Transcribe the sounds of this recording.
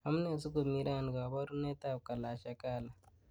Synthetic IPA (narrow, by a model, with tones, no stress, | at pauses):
ha˨mu˦neː˨si˦ɡo˨mi˦ɾa˦˨n˨ɡa˨βa˦ɾu˦ne˦ta˦˨u˨ka˨laː˨ʃa˨ka˦˨la˨